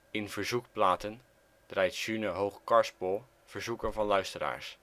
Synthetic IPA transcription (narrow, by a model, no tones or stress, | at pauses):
ɪnvəɹzukplaːtən | d̥rɛjtʃynəɦowχkɑɹspɔlˠ | v̥əɹzukənvɑnlœɥstəɾa̰ːɹs